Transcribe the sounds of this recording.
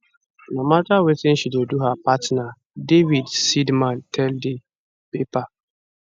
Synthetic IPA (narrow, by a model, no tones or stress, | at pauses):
namatawetɪn̩ʃidoduɦapatna | devidsidmãntʰɛldɪ | pepa